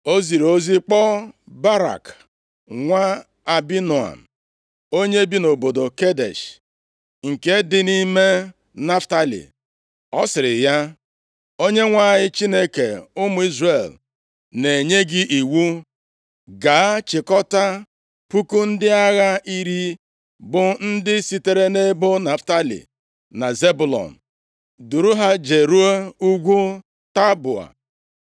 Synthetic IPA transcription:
o˦zi˨ɾo˦zi˦k͡pɔ˦ba˦ɾa̰˨k | ŋʷa˦ | a˨bi˦nu˨a̰˨m̩˨ | o˦ɲe˦bi˦no˨bo˨do˨ke˦dḛ˨ʃ | ŋ̩˨ke˦dɪ˦ni˦me˦ | na˦fta˦lḭ˨ | ɔ˦sɪ˨ɾɪ˨ja˦ | o˦ɲe˦ŋʷa˨ɲɪ˦t͡ʃi˦ne˦ke˨ʊ˦mʊ˨˦i˦zre˨l | ne˨ɲe˦ɡɪ˦ʔi˨wu˦ | ɡa˨˦t͡ʃɪ˨kɔ˦ta˦ | pu˦ku˦n̩˦dɪ˦a˦ɣa˦i˦ɾi˦ | bʊ˨n̩˦dɪ˦si˨te˨ɾe˦ne˦bo˦na˨fta˦lḭ˨ | na˨ze˦bʊ˨lɔ̰˨n̩˨ | du˨ɾu˦ɦa˦d͡ʒe˨ɾu˦o˦u˦ɡʷu˦ | ta˦bʊ˨a̰˨

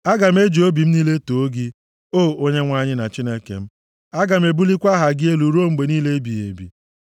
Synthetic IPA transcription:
a˦ɡa˨m̩˦e˦d͡ʒo˦bi˨m̩˦ni˦le˦to˨o˦ɡɪ˦ | o˦˨o˦ɲe˦ŋʷa˦ɲɪ˦na˨t͡ʃi˦ne˦kḛ˨m̩˦ | a˦ɡa˨m̩˦e˨bu˦li˦kʷa˦ɦa˨ɡɪ˦e˦lu˨ɾo˦˨ŋ͡m̩˦ɡ͡be˨niː˦le˦bi˨jḛ˨bḭ˨

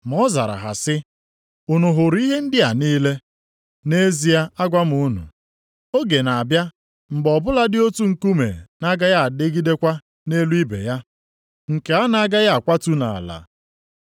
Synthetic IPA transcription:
m˨ɔ˦za˨ɾa̰˨ɦa̰˨sɪ˦ | ʊ˨nʊ˨ɦʊ˨ɾi˦ɦe˦n̩˦dɪ˦a˨niː˦le˦ | ne˦zi˦a˦a˦ɡʷa˦m˦ʊ˦nṵ˨ | o˦ɡe˨na˨bja˦ | m̩˨ɡ͡bɔ˨bʊ˦la˦dɪ˦o˦tu˦ŋ̩˨ku˦mḛ˨na˦ɡa˦ja˦a˨de˦ɡi˦de˦kʷa˦ | ne˦lu˦i˦bḛ˨ja˦ | ŋ̩˨ke˨a˦na˦ɡa˦ja˦a˨kʷa˦tu˦na̰˨a˨la̰˨

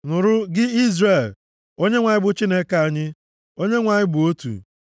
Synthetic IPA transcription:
nʊ˨ɾʊ˦ɡɪ˦i˦zre˨l | o˦ɲe˦ŋʷa˨ɲɪ˦bʊ˨t͡ʃi˦ne˦ka˨ɲɪ˦ | o˦ɲe˦ŋʷa˨ɲɪ˦bʊ˨o˦tṵ˨

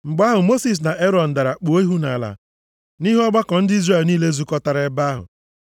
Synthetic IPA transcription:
ŋ͡m̩˨ɡ͡ba˦ɦʊ˨mo˦si˨s̬na˨ʔe˦ɾɔ˨n̩˨da˨ɾa˨k͡po˨˦i˦ɦu˦na˨la̰˨ | ni˦ɦɔ˦ɡ͡ba˦kɔ˨n̩˦dɪ˦i˦zre˦˨lniː˦le˦zu˨˦kɔ˦ta˨ɾe˦ba˦ɦʊ̰˨

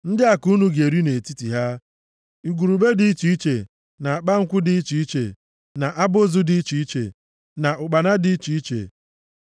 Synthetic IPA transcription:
n̩˦dɪ˦a˨ku˦nu˦ɡe˨ɾi˦ne˨ti˦ti˨ɦa˦ | i˨ɡʷu˨ɾu˨be˦dɪ˦i˦t͡ʃi˦i˦t͡ʃḛ˨ | na˨a˨k͡pa˦ŋ̩˦kʷʊ˦dɪ˦i˦t͡ʃi˨i˦t͡ʃḛ˨ | na˨ʔa˦bʊ˦zʊ˦dɪ˨˦i˦t͡ʃi˨i˦t͡ʃḛ˨ | na˨ʔʊ˨k͡pa˨na˦dɪ˦i˦t͡ʃi˨i˦t͡ʃḛ˨

